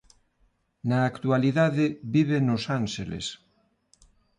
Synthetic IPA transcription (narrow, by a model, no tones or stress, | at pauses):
nɐːkt̪ualiðaðɪβiβenosanʃelḛs